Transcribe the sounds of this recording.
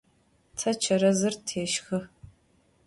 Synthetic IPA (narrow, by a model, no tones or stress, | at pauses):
tʰɐt͡ʃʰɐɾɐzɨrtʰeːʃxɨ